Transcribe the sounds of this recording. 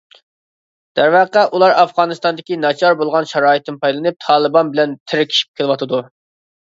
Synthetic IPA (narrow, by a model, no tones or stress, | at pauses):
d̪̥æɾvɑqæʔulˠɑɾɑfʁɑːnɨst̪ɑnd̪ɪkʲinɑt͡ʃʰɑɾbolˠʁɑnʃɑɾɑːit̪ʰɪnpʰɑjlˠɨnɨp̚t̪ʰɑːlˠɨbɑnbɪlɛnt̪ʰɪɾɪkʲʰi̥ʃi̥p̚kʲʰelˠɨwɑt̪ʰɨd̪u